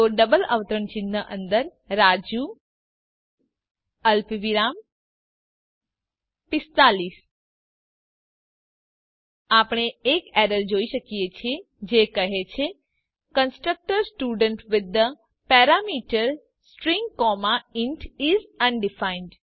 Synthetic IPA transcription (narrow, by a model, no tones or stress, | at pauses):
t̪oɖəbələ̰ʋt̪əɾəɳt͡ʃɪnːəʔə̃nd̪əɾ | ɾad͡ʒu | əlpʋiɾam | pɪst̪alis | apɽ̃eːkeɾəɾd͡ʒoiʃəkijet͡ʃʰie | d͡ʒekəɦet͡ʃʰe | kənsʈɾək̚ʈəɾsʈuɖəɳʈʋɪd̪ə | pɛɾamiʈəɾ | sʈɾĩŋɡkɔmaɪɳʈʰizə̃ɳɖifaiɳɖ